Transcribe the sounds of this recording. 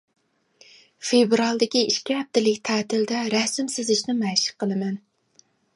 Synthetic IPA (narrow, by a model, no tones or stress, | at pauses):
febɾɑlˠd̪ɪkʲiiʃkʲiɦɛp̚t̪ɪlɪkʲt̪ʰæːt̪ʰɪld̪ɛɾɛsɪmsɪzɪʃnɪmɛʃɪ̥qːəlˠɨmɛn